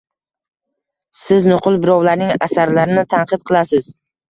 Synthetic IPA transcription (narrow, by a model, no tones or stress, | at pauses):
sɪznʊqʰʊlˠbɪɾɒwlaɾnɪŋasaɾlaɾɪnɪt̪ʰanqɨt̪̚qʰɨlˠasɪz̥